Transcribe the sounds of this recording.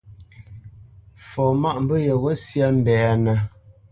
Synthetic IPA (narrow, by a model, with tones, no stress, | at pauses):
fɔ˨ma˦ʔm̩˦bə˦jə˨wə˦sja˦m̩˨bɛ˨a˦nə˨